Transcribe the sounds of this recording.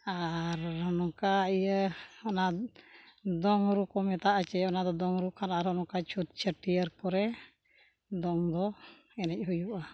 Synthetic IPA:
aɾɦɔnɔkaijəɔna | d̪ɔŋɾukɔmɛt̪aʔat͡ʃɛɔnad̪ɔd̪ɔŋɾukʰanaɾhɔnɔkat͡ʃʰut̪̚t͡ʃʰəʈijəɾkɔɾɛ | d̪ɔŋd̪ɔ | ɛnɛc̚ɦujuʔa

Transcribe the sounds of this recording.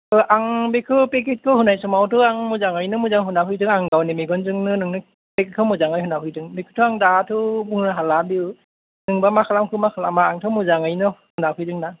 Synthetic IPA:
ɯʔaŋbekʰɯpek̬et̚kʰɯhunajsɔmawtʰɯaŋmuzaŋɯjnɯmuzaŋɦunaɦʰɯjdɯŋaŋɡawnemeɡɔnzɯŋnɯnɯŋnɯ | peket̚kʰɯmuzaŋɯjɦunapʰɯjdɯŋbekʰɯ̥tʰɯaŋdatʰɯbuŋnɯɦalabiw | nɯŋbamakʰalamkʰɯmakʰalamaːŋtʰɯmuzaŋɯjnɯhunapʰɯjdɯŋna

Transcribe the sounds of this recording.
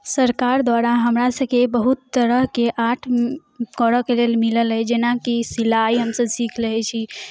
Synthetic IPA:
səɾkaɾd̪waɾaɦəmɾasəbkebəɦut̪ːəɾəɦkeʔaʈʰ | kəɾəkelelmiləlɦəd͡ʒenakisilaiɦəmsəbsikʰləɦɛt͡ʃʰi

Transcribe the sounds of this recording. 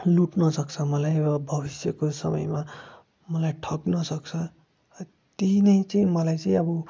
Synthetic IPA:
luʈnʌsʌk̚t͡sʰʌmʌlajbʌbʱʌbisjʌkosʌ̰mʌ̰jma | mʌlajʈʰʌknʌsʌkt͡sʰʌ | t̪inʌjt͡sʌĩmʌlajt͡sʌĩʌbʌ

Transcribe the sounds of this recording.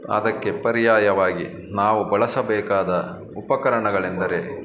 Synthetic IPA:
ɐ̰d̪ɐkːepɐɾijaːjɐʋaːɡi | naːʋubɐɭɐsɐbɛːkaːd̪ɐ | upɐkɐɾɐɳɐɡɐɭend̪ɐɾe̞

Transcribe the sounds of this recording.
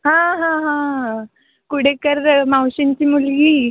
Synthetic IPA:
ɦãɦãɦã | kuɽ̤ekəɾmawɕint͡ɕiːmulɡiː

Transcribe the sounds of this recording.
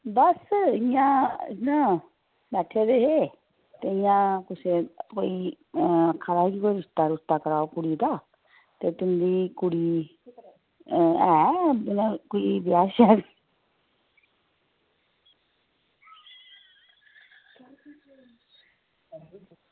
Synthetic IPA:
bəsɪjãːɪjãː | bɛːʈʰeːɾeːɦeː | t̪eːɪjãːkʊsekoːiː | əkʰːad̪aːkiːkoːiːɾɪst̪aːɾɪst̪aːkəɾaːoːkʊɽiːd̪aː | t̪eːt̪ʊnd̪iːkʊɽiː | ɛːɪnãːkoiːbɪjaːʃɛːni

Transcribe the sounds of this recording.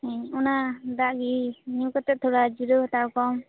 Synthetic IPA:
ɔnad̪aʔɡiniwkɔt̪ɛt̪ʰuɾad͡ʒiɾɯt̪aɹkɔm

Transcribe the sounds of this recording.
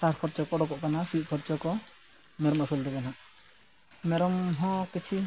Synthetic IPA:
saɾpʰɔɾt͡ʃɔkɔɽɔkɔʔkanasiʔ̚ˀpʰɔɾt͡ʃɔkɔ | mɛɾɔməsuld̪ɛkɛnaʔ | mɛɾɔmɦɔ̃kit͡ʃʰi

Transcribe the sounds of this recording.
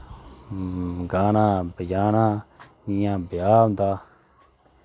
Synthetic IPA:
ɡaːnãːbəd͡ʒaːnãː | ɪjãːbʱjaːɦʊ̃nd̪aː

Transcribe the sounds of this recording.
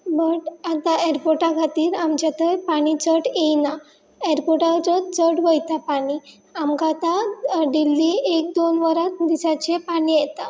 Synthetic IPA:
bəʈat̪aeɾpoʈakʰat̪iːɾamt͡ɕat̪əjpaɽ̃it͡səʈejna | eɾpoʈat͡sɔt͡səʈʋəjt̪apaɽ̃i | amkat̪aɖilːiek̚d̪onʋəɾat̪̚d̪isat͡ɕepaɽ̃ijɛt̪a

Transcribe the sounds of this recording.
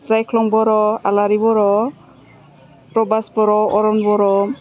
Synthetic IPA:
sajkʰlɔŋbɔɾɔalaɾibɔɾɔ | pɾɔbasbɔɾɔɔɾɔnbɔɾɔ

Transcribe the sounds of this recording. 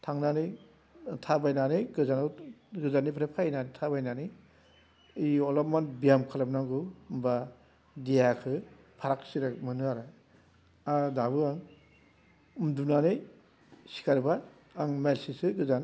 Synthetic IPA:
tʰaŋnanɯj | tʰabajnanɯjɡɯzanɯwɡɯzanibʰpʰɾepʰainantʰabajnani | iɔlɔmanbijamkʰalam̚naŋɡɯwmba | dijakʰɯ | pʰaɾak̚siɾak̚mɯnɯaɾɯ | adabɯaŋ | ɯmdunanɯj | si̥kʰaɾbaː | ŋmelsisɯɡɯzan

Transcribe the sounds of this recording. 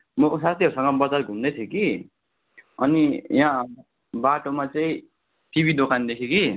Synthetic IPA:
mʌsast̪ʰiʌɾusʌŋɡʌbʌd͡zarɡʱund̪ʌt̪ʰjeki | ʌnijã | baʈomat͡sʌĩ | ʈibʱid̪okʰand̪ekʰeki

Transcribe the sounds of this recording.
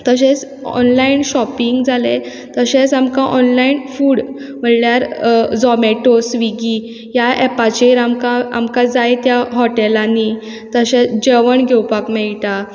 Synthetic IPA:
t̪əɕet͡s | ɔ̰nlainɕɔpiŋɡd͡zʱale | t̪əɕet͡samkãʔɔnlainfuːɽ | m̤əɽljaɾd͡zɔmeʈosʋiɡi | jaɛpat͡ɕeɾamkãa̰mkad͡zajet̪jaɦɔʈelani | t̪əɕet͡sd͡ʑeʋəɳɡʱewpakmɛɭt̪a

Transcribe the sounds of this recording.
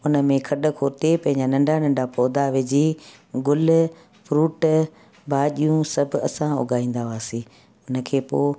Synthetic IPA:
ʊnə̆mẽkʰɐɗʊ̆kʰoːt̪epɐ̃ɦɪ̃ɲd͡ʑanɐ̃ɳɖʱanɐ̃ɳɖʱapɔːd̪aʋed͡ʑi | ɡʊl | fɾuːʈ | bʱaːɗijũsɐbʱʊɐ̰sãʊ̰ɡʱaːĩːn̆d̪aʋaːsĩː | ʊnə̆kʰeːpoː

